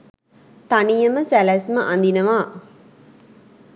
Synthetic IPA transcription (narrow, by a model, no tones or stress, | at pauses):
t̪anijəməsælæsməʔand̪inəʋaː